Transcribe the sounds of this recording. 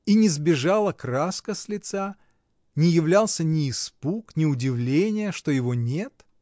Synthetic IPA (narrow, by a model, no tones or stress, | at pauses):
inʲɪzbʲɪʐalˠəkraskəsʲlʲɪt̪sa | nʲɪjɪvlʲalˠsʲənʲɪːspuknʲɪʊdʲɪvlʲenʲɪjəʂt̪o̞jɪvonʲet̪